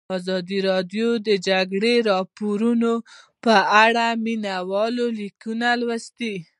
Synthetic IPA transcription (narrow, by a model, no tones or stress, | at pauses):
ɑzɑd̪iɾɑd̪jod̪əd͡ʒaɡɽeɾɑpoɾuno | pəaɽaminawɑlolikunalwast̪i